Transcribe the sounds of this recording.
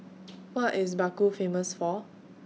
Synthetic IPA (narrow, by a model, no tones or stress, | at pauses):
wɔtɪs̬bakufeməsfɔ